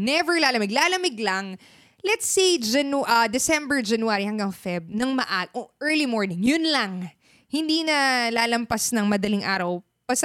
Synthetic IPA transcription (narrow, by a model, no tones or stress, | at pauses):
nɛvɛɹlaːlɐmɪɡlaːlɐmɪɡlɐŋ | lɛt̪sejd͡ʒɐnʔd̪ɪsɛ̃mbɛɹd͡ʒɐnwaːɾihɐŋɡɐŋfɛb̚nɐŋmɐʔaʔoʔɛɹlimoɹnɪ̃ŋjʊnlɐŋ | hɪnd̪iːnɐlaːlɐmpasnɐŋmɐd̪ɐlɪŋʔa̰ːɾɐw | pɐs